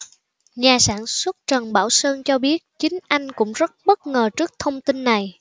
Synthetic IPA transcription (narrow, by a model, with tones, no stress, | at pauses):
ɲaː˨˩saː˧˩nswə˦˥t̚t͡ɕə˨˩nɓaː˧˩wsəː˧nt͡ɕɔ˧ɓi˦˥ət̚t͡ɕï˨˦ŋ̟ʔa˧jŋ̟kʊ̰˧˥ŋ͡mzə˦˥t̚ɓə˦˥t̚ŋəː˨˩t͡ɕɨ˦˥ək̚t̪ʰə˧wŋ͡mt̪i˧nːa˨˩j